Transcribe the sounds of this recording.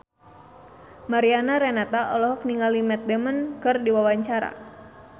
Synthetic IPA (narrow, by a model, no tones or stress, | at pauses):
maɾianaɾɛnat̪aʔɔlɔɦɔk̚niŋalimɛt̪̚dɛmənkɨrdiwawaɲt͡ʃaɾa̰